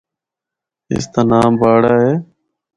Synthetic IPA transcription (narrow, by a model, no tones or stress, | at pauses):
ɪ̰st̪aːnaːmbaːɽaːɦeː